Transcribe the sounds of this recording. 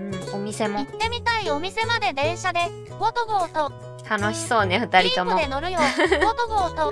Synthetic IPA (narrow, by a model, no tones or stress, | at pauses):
ɯ̟̃ɴo̞mʲise̞mo̞t̪e̞mʲit̪aio̞mʲise̞mad̪e̞d̪ẽ̞ɰ̃ɕad̪e̞ | ɡot̪oɡoːt̪o | t̪ʰano̞ɕi̥so̞ːne̞ɸɯ̟t̪aɾʲit̪o̞mod̪enoɾɯ̟jot̪oɡoːt̪o